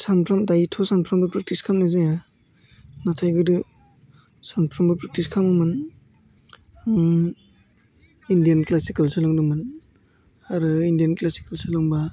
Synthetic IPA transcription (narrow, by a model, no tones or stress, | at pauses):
sampʰɾamdajitʰɔsanpʰɾambapɾak̚tiskʰamnazɯja | natʰajɡɯdɯ | sanpʰɾambapɾak̚tiskʰamɯmɯn | indijanklasikalsalɔŋdɯmɯn | aɾɯindijanklasi̥kelsʰalɔŋba